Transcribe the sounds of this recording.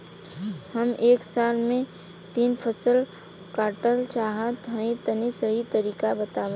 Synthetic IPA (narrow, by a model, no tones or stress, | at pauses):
həmeːksaːlmẽ | t̪iːnpʰəsəl | kaːɾʈəlt͡ʃaːɦat̪ə̃ẽt̪ənisəɦit̪əɾiːkabət̪aːʋã